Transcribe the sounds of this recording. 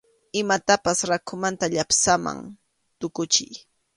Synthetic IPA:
ɪmat̪apasɾakʰʊmant̪aʎapsama̰ŋ | t̪ʊkʊt͡ʃɪj

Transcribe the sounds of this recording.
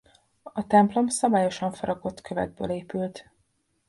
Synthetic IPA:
ɒt̪ɛmplo̞msɒbaːjo̞ʃɒɱfɒɾɒko̞t̪kʰø̞vɛ̰d̪̚bø̰ːleːpylt̪

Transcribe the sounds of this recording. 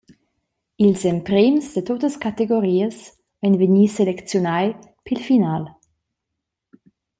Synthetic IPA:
ilsɛmpɾemsdətotəskateɡoɾiːəs | vɛnvəniːselɛkt͡sjonaj | pʰilfinaːl

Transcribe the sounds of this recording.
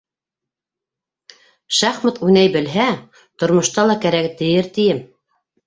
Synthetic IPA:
ʃæχmɤt̪ʉnæjbɘ̆lɦæ | t̪ŏɾmŏʃt̪ɑlˠɑkæɾækt̪ɘ̆jɘɾt̪ĭjɘm

